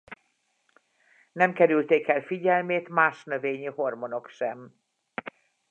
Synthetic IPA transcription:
nɛmkɛɾylt̪eːkɛlfiɟɛlmeːt̪maːʃnøveːɲiho̞rmono̞kʃɛm

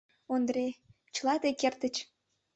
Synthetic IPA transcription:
ond̪ɾe | t͡ɕəlɑt̪ekert̪ə̆t͡ɕ

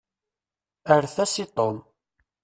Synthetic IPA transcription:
əɾθæsit̪ˤom

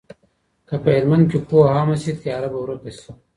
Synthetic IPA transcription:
kɐpɐeɾmɐnd̪̚kikuːɐɦaːmɐsit̪jaːɾɐbɐwɾɐkɐsi̥

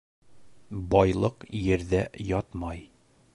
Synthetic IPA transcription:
bɒjlˠɤqjɘ̆ɾðæjɒt̪mɑj

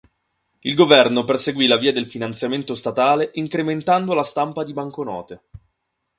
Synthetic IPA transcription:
ilɡovɛrnoperseɡwilaviːad̪elfinant̪sjament̪ost̪at̪aːleʔiŋkɾement̪and̪olast̪ampad̪ibaŋkonɔ̰ːt̪e

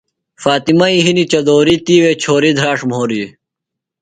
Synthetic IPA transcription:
faːt̪imɐiɦinit͡ɕɐd̪oːɾit̪iːweːt͡ɕʰoːɾid̪ʱɾaːʂmɦoːɾi

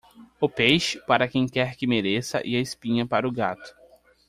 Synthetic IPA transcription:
ʊpejʃɪ̥paɾɐkẽj̃kɛɾkɪmeɾesɐ̰ʔɪ̰ɐɪspĩɲɐpaɾʊɡat̪ʊ̥

